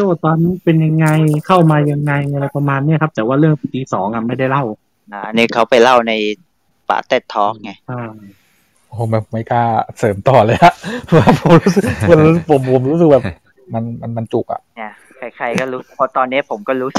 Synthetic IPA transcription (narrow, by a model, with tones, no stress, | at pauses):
t͡ɕo˥˩˨t̪ɔː˧nːiː˦˥pe˧nja˧ŋːa˧jkʰa˥˩wmaː˧ja˧ŋːa˧jla˧jpa˧maː˧nːi˦˥ɐkʰa˦˥p̚t̪ɛː˨˩waː˥˩lɯ˥˩əŋt̪iː˧sɔː˩˦ŋʔa˨˩ma˥˩jda˥˩jla˥˩w | na˦ʔa˧niː˦˥˩kʰa˦˥wpa˧jla˥˩wna˧j | pa̰ː˨˧˩t̪e˥˩t̪ʰːɔː˦˥k̚ŋa˧˩ʔaː˧˩ | ʔoː˨˩ma˨˩pma˥˩jkaː˥˩sɤː˩˦mt̪ɔː˨˩lɤː˧˥jʔa˨˩ʔʰwaː˥˩pʰo˨˩˦ɾuː˦˥sɯ˨˩u˧nɾuː˦˥˨k̚pʰo˨˩˦mpʰo˨˩˦mɾuː˦˥s̬k̚bɛː˨˩p | ma˧nma˧nma˧nt͡ɕu˨˩k̚ʔa̰˨˩ni˥˩ɐ | kʰa˧˩jkʰa˧jkɔː˥˩ɾuː˦˥˨pʰɔ˧t̪ɔː˧nːi˦˥ɐ˨pʰo˩˦mkɔː˥˩ɾuː˦˥sɯ˨˩